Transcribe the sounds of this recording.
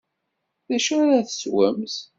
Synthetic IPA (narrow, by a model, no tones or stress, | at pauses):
ðæʃaɾæθə̥swə̰mθ